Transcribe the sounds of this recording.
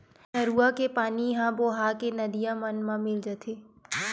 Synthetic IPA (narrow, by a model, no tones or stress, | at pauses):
ʃɐɾuːakepaːnijɐɦãboɦaːkenɐd̪ijãmɐnmãmɪld͡ʒat̪ʰeː